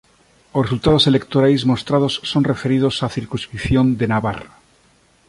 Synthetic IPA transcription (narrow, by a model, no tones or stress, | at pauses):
osresult̪að̞o̞se̞le̞kt̪oɾajzmo̞st̪ɾað̞o̞sːo̞nre̞fe̞ɾið̞o̞saθiɾkunskɾipθjo̞nd̪e̞naβa̰ra